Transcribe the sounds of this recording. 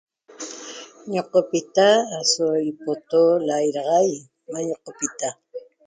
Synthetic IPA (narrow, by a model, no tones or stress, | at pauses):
ɲoqopit̪aːsojpot̪olajɾɑʁɑj | maɲoqopit̪a